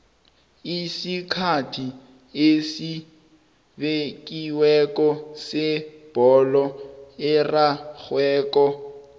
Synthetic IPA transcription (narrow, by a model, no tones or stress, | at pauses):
isikʰatʰi | esi | bekʼiwɛkʼɔsɪb̥ɔlɔɪraɣwɛːkɔ